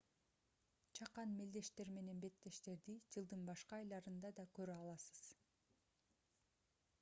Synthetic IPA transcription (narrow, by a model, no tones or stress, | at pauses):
t͡ʃʰɑqɑnmeld̪e̞ʃt̪e̞ɾme̞ne̞nbe̞t̪ːe̞ʃt̪e̞ɾd̪id͡ʒɯlˠd̪ɯnbɑʃqɑːjlˠɑɾɯnd̪ɑd̪ɑkøɾøɑlˠɑsɯ̥z̥